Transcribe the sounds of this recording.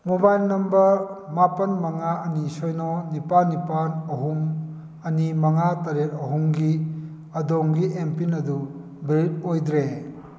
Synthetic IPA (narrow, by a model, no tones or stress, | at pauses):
mubajlnɐmbɐmapɐnmɐŋaɐnisɔjnɔnipanːipanɐɦum | ɐnimɐŋatɐɾet̚ɐɦumɡi | ɐdɔŋɡiempinɐdu | bɾit̚ojd̪ɾe